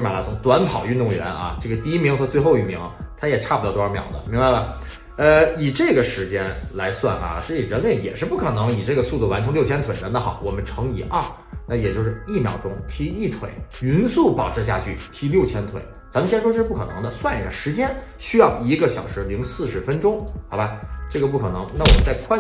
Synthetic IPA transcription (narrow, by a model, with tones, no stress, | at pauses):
mjla˧˥sʊ˥˧˩ŋt̪wa˧˥npʰɑ˨˩ʊy˥˧nt̪ʊ˥˩ŋɥɛ̰˧˥nʔɐ̰˧ʈ͡ʂɤ˥˩ɡə˩t̪i˥˧i˥mi˧˥ŋxɤ˧˥t͡swe˥˧ɪxo˥˧ʊi˥˩mḭ˧˥ŋt̪ʰa˥jɛ˨˩ʈ͡ʂʰa˥˩pu˩t̪ɑ˥˧˩t̪ɔ˥ə˞˧˥˩mjɑ̰˨˩ʊd̪ə̰˦mi˧˥ŋwa˧ɪlə˩ | ə˧i˨˩ʈ͡ʂɤ˥˩ɡə˩ʂɻ̩˧˥t͡ɕjɛ˥nla˧˥ɪswa̰˥˩nʔɐ̰˩ʈ͡ʂɤ˥˩i˨˩ɻə˧˥nle˧˥ɪjɛ̰˨˩ʂɻ̩˥˧pu˥˩kʰɤ˨˩nɤ˧˥ŋi˨˩ʈ͡ʂɤ˥˩ɡə˩su˥˧t̪u˥˩wa˧˥nʈ͡ʂʰɤ˧˥ŋljʊt͡ɕʰjɛ˥nt̪we˨˩ɪɻə˧˥nd̪ə˧xɑ˨˩ʊwɔ˨˩mə˦nʈ͡ʂʰɤ˧˥ŋi˨˩ʔa˥˩ | na˥˩jɛ˨˩t͡ɕjʊʂɻ̩˥˧i˥˩mjɑ̰˨˩ʊʈ͡ʂʊ˥ŋt̪ʰi˧˥i˥˩t̪ʰwḛ˨˩˦ɪy˧˥nsu˥˩pɑ˨˩ʊʈ͡ʂʰɻ̩˧˥ɕ̬ja̰˥˧t͡ɕʰy˥˩t̪ʰi˧˥ljo˥˩ʊt͡ɕʰjɛ˥nt̪ʰwḛ˨˩˦ɪt͡sa˧˥mə˧ɕʂwɔ˥ʈ͡ʂɤ˥˧ʂ̩˥˧pu˥kʰɤ˨˩nɤ̰˧˥ŋd̪ə˧swa˥˩n˨˩˧ʂɻ̩˧˥t͡ɕjɛ˥n | ɕy˥jɑ˥˩ʊi˧˥ɡə˧ɕjɑ˨˩ʊʂɻ̩˧˥li˧˥ŋsɹ̩˥˩ʂɻ̩˧˥fə˥nʈ͡ʂʊ˥ŋxɑ˨˩ʊba˧˥ʈ͡ʂɤ˥˩ɡə˩p̬u˥˩kʰɤ˨˩nɤ˧˥ŋna˥˩wɔ˨˩mə˦nt͡sa˥˧ɪkʰwa˥